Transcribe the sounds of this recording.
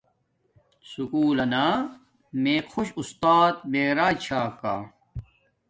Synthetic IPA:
sukuːlɐnaː | meːkʰuɕust̪aːt̪̚meːɾaːt͡ɕʰaːkaː

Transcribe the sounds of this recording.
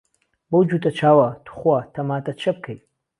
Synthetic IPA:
bowd͡ʒut̪ʰʼɐt͡ʃʰaːwɐtʰu̥χwatʰɐmaːt̪ʰʼɐt͡ʃʰɐb̚kʰɐj

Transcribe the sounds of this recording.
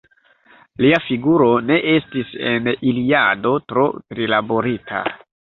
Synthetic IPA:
liafiɡuɾo̞ne̞ʔe̞stise̞niliado̞tɾo̞̰tɾilabo̞ɾitʰa̰

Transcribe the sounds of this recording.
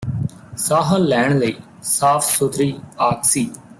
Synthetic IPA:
saːɦəlːɛːɳ̃ləiː | saːpʰsʊt̪ɾiːaːksiː

